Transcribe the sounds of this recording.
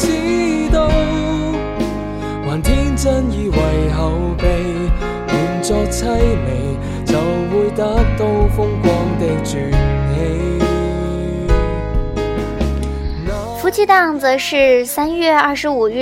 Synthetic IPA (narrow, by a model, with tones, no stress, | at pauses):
t͡si˥t̪o˧˥w | waː˨˩nt̪ʰi˥nt͡sɐ˥njiː˧wɐ˨jɦɐ˨˧wpe˨˧j | wuː˨˩nt͡sɔː˧k̚t͡sʰɐ˥jme˨˩j | t͡sɐ˨wːuː˨˧jt̪aː˨˥k̚t̪o˧wfʊ˥ŋkʷɔ˧˥ŋt̪e˧jt͡ʃyː˨˩nhe˧j | n˨fu˧˥t͡ɕʰi˥t̪ɑ˥˩ŋd͡zə˨ʂɻ̩˥˩sa˥nɥɛ˥˧ɐ˥˩ʂɻ̩˧˥u˨˩ɥy˥˩